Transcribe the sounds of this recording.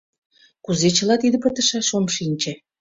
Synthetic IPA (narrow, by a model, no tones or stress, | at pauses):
kuzet͡ɕə̆lɑt̪id̪ə̆pət̪ə̆ʃɑʃomʃinʲt͡ɕĕ